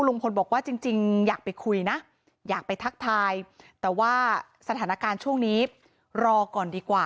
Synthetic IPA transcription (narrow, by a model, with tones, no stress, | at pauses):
uː˥loː˧ŋpʰo˧nbɔː˨˩k̚waː˥˩t͡ɕi˧ŋt͡ɕi˧ŋjaː˨˩k̚pa˧jkʰu˧jna˦˥ʔ | jaː˨˩k̚pa˧jt̪ʰa˦˥k̚t̪ʰaː˧jt̪ɛː˨˩waː˥˩ | sa˧t̪ʰaː˩˦na˦˥kaː˧nt͡ɕʰu˥˩əŋniː˦˥ | ɾɔː˧kɔː˨˩ndiː˧kwaː˨˩